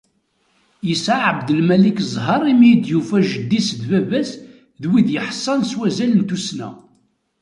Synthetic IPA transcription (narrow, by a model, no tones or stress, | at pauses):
jəsaʕəbd̪əlmælikzˤɦɑɾˤimijd̪jufæʒəd̪ːisðvævæs | ðwiðjəħsˤːɑnswæzælənt̪usnæ̰